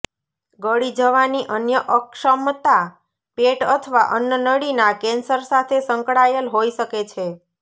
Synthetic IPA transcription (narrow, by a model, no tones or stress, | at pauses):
ɡəɽid͡ʒəʋaniʔənjəʔəkʃəmt̪a | peʈət̪ʰəʋaʔənjənəɽinakensəɾsat̪ʰesəŋkɽajəlɦojʃəket͡ʃʰe